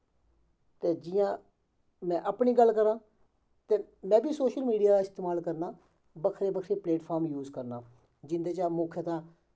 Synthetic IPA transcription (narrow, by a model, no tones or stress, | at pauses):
t̪eːd͡ʒɪjãː | mɛ̃ːʔəpniːɡəlkəɾãː | t̪eːmɛ̃ːbiːsoːʃəlmiːɖijaːd̪aːɪst̪eːmaːlkəɾnaː | bəkʰɾeːbəkʰɾeːpleːʈpʰaːɾmjuːzkəɾnaː | d͡ʒɪnd̪eːt͡ʃaːmoːkʰjet̪ãː